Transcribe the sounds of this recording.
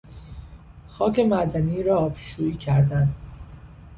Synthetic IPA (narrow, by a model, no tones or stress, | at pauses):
xɒːce̞mæd̪æniɾɒːbʃuːiːcʰæɾd̪æn